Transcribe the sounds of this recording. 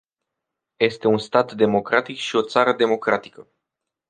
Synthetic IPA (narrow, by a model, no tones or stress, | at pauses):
je̞st̪e̞unst̪at̪d̪e̞mo̞kɾat̪ikʃio̞t̪saɾəd̪e̞mo̞kɾat̪i̥kə